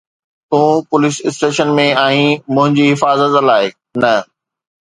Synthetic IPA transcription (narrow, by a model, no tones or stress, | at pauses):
t̪ũːpʊlɪsɪsʈeːʃənmẽaːĩmʊ̃ɦɪ̃ɲd͡ʑiɦɪfaːzət̪laːɪ | nɐ